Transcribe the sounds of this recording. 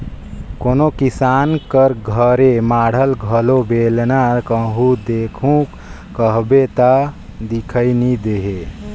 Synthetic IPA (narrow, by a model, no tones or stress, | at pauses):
koːnokisaːnkəɾɡʱəɾemaːɽ̤əlɡʱəlobeːlnaɾkəɦud̪eːkʰũk | kəɦbet̪a | d̪ikʰəinid̪eɦe